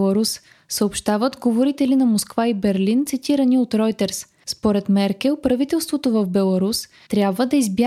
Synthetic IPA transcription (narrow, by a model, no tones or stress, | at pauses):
lˠɐɾus | səopʃt̪avət̪ɡovoɾit̪ɛlinɐmoskvaibɛɾlint̪sit̪iɾəniot̪ɾɔjt̪ɛɾs | spoɾɛt̪mɛɾkɛlˠpɾɐvit̪ɛlˠst̪vot̪ovɐvbɛlˠɐɾus | t̪ɾʲjabvəd̪ɐizbja